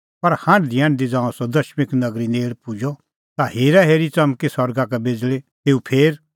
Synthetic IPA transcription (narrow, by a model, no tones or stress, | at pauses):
pɐɾhãːnd̪ʱɪjãːnd̪id͡zãːɔ̃sɔd̪ɐʃmɪknɐɡɾineːɭpʊd͡ʒɔ | t̪aheːɾaɦeːɾit͡sɐmkisɐɾɡakɛbeːd͡zlet̪eːupʰeːɾ